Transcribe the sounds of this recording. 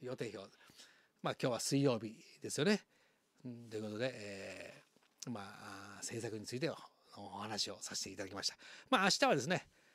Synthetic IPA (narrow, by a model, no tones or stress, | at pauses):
jo̞ːt̪e̞ːço̞ː | maːkʲo̞ːβasɨijo̞ːbʲid̪e̞sɨjo̞ne̞ | t̪o̞jɯ̟ko̞t̪od̪e̞ʔː | maːse̞ːsakɯ̟ɲ̟it͡sɨit̪e̞ | noːhanaɕio̞sase̥t̪eit̪ad̪akimaɕit̪ḁmaːɕi̥t̪aβad̪e̞s̬ɨne̞